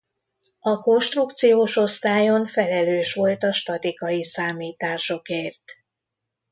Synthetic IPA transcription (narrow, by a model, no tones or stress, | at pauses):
ɒko̞nʃt̪ruk̚t̪sijoːʃo̞st̪aːjo̞nfɛlɛløːʃʋo̞lt̪ɒʃt̪ɒt̪ikɒjisaːmiːt̪aːʃo̞keːrt̪